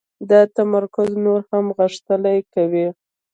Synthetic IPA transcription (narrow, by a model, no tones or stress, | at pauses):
d̪ət̪amaɾkʊznoɾhamɣəʂt̪əlajkawi